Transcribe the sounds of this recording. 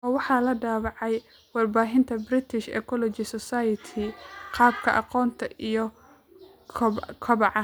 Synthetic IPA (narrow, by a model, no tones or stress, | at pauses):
ʔɔːwɑħɑːlɐɖaːβɑʕɑj | wɑrbaːɦɪnt̪ʰɐbrɪt̪ʰɪʃɛ̰kʰɔlɔt͡ʃɪsɔsajɐt̪ʰɪqɑːbkʰɐʔɑqɔːnt̪ʰɐʔijɔ | kʰkʰɐβɑʕɑ